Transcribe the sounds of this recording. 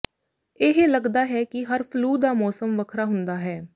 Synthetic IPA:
ɪɦeːləɡd̪aːɦɛːkɪɦəɾpʰluːd̪aːmɔːsəmʋəkʰɾaːɦʊnd̪aːɦɛː

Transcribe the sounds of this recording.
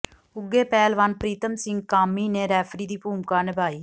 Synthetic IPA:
ʊɡːeːpɛːlʋanpɾiːt̪əmsɪ̃ŋɡkaːmiːneːɾɛːpʰɾiːd̪iːpuːmkaːnɪbaːiː

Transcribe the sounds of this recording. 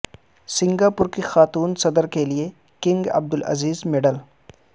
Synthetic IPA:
sɪ̃ŋɡaːpʊɾkixaːt̪uːnsɐd̪əɾkelie | kɪ̃ŋɡɐ̰b̚d̪ʊlʔɐ̰ziːzmɪɖəl

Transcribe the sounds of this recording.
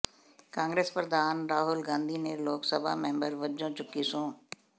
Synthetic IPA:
kãːŋɡɾeːspəɾd̪aːnɾaːɦʊlɡãːnd̪ʱiːneloːksəbʱa̰ːmɛ̃ːmbəɾʋəd͡ʒõːt͡ʃʊkːisõː

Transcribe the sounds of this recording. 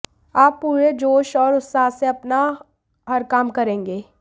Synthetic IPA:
aːpːuːɾed͡ʒoːʃɔːɾʊsaːseɐpna | ɦɐɾkaːmkɐɾẽːŋɡeː

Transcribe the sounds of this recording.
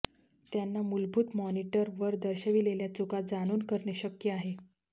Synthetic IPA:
t̪janːamulbʱuːt̪mɔniʈəɾʋəɾd̪əɾɕəʋileljat͡sukad͡zaɽ̃uːnkəɾɳeɕəkjəaɦe

